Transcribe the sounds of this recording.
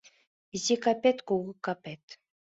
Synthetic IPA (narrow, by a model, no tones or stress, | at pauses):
zʲikɑpʲet̪kuɣɤ̆kːɑpʲet̪ʲ